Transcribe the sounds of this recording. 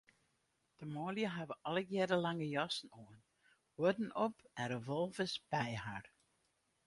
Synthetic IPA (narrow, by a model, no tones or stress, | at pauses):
d̥əmoːljəɦɛʋəʔɔləɡjɛdəlaŋəjɔsn̩oən | wɔdn̩ʔɔpɛnrəʋɔlˠvɪsb̥ɛjhar